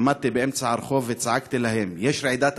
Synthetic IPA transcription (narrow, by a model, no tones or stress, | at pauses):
mad̪̚t̪ibeʔemt͡saʕɑɾχovːet͡saʕakt̪ilahemjeʃɾeʕid̪at̪